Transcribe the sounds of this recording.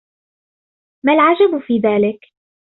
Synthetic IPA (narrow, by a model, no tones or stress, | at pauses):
malʕad͡ʒabfiːðaːlɪk